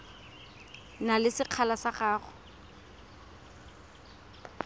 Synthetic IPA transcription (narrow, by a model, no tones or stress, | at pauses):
nalɪsɪq͡χʰalasaχaːχʊ